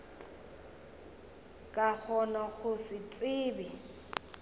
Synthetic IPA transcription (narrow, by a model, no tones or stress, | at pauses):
kʼak͡xʰɔnaɣʊsɪt͡sʼɪːbɪ